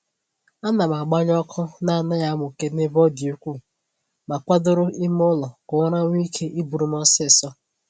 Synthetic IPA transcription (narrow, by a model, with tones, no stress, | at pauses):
a˦na˨m˨a˨ɡ͡ba˦ɲ˦ɔ˦kʰʊ˦na˦a˨na˦ja˦mʊ˨ke˦ne˦bɔ˦di˨u˦kʷu˦˨ | ma˨kʷa˦dʊ˦ɾʊ˦i˦m˦ʊ˦lɔ˨kʊ˨ŋa˦ɾa˦ŋʷ˦i˦kʰe˦ʔi˦bu˨ɾu˨m̩˦ɔ˦sɪ˦˨sɔ˦